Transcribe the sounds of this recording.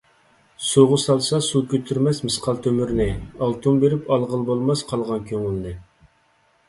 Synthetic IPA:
suʁʊsɑlˠsɑsukʲʰøt̪ʰyɾmɛsmɨsqʰɑlˠt̪ʰømyɾnɪɑlˠt̪ʰumbeɾɪpɑlˠʁəlˠbolˠmɑsqʰɑlˠʁɑnkʲʰøŋylnɪ

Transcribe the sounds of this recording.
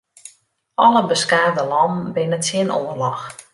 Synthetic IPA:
ʔɔləbəskaːrdəlɔm̩bɪnətɪənʔoːərlɔx

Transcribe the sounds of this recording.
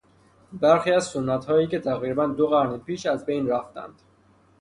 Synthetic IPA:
bæɾxiːæzsonːæt̪hɒːjiːce̞t̪ʰæɣiːɾbænd̪oɣæɾnepiːʃæzbe̞jnɾæft̪æ̰nd̪̥

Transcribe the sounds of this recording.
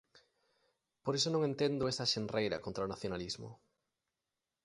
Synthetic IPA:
poɾesonõŋent̪end̪ʊesɐʃenrʔejɾɐ̰kont̪ɾaʊnaθjonalizmʊ̰

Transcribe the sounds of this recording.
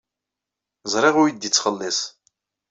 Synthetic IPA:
zˤɾˤɪʁuid̪it͡sːχəlːisˤ

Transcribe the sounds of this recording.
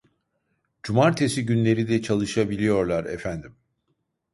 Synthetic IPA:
d͡ʒumaɾt̪ʰesiɟynlʲe̞ɾid̪ɛt͡ʃʰalˠɯʃabilʲijo̞ɾlˠaɾɛ̰fænd̪im

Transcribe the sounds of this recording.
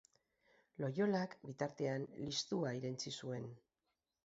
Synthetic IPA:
lo̞jo̞lakbit̪aɾt̪e̞anlist̪uaiɾent͡sisue̞n

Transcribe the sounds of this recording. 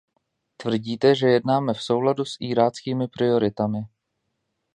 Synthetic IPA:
t̪vr̩ɟiːt̪ɛʒɛjɛdnaːmɛfso̞wladusʔiːɾaːt͡skiːmɪpɾɪo̞ɾɪt̪amɪ

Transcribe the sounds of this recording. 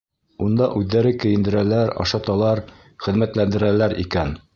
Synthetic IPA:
und̪ɑʔʉðːæɾɘkɘ̆jɘ̆nd̪ɘ̆ɾælæɾɑ̰ʃɑt̪ɑlˠɑɾ | χɘ̆ðmæt̪lænd̪ɘ̆ɾælæɾḭkæn

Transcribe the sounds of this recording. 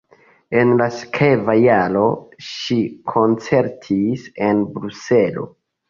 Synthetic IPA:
e̞nlaskʰevajalo̞ʃikʰo̞nt͡se̞ɾtʰise̞nbɾuse̞lo̞̰

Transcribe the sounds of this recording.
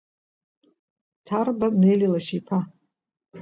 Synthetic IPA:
tʰarbanejlilaʃipʰa

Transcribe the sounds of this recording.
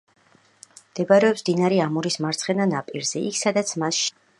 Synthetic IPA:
md̪̥ɛbaɾɛɔpsd̪inaɾiamuɾismaɾt̪sʰχɛnanapʼiɾz̥ɛikʰsad̪at̪sʰmasʃ

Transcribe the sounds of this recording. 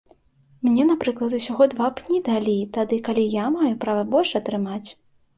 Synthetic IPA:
mnʲɛnapɾɨklˠɐt̪usʲaɣɔd̪vapnʲid̪alʲit̪ad̪ɨkalʲijamajupɾavɐbɔlʲʂɐt̪ɾɨmat͡sʲ

